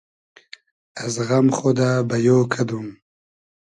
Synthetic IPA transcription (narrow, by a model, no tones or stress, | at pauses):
azɣamχod̪aːbajoːkʰad̪um